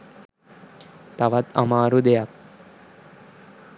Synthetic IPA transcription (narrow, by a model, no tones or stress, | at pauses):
t̪ɐʋat̪ɐ̰maːɾud̪ejak̚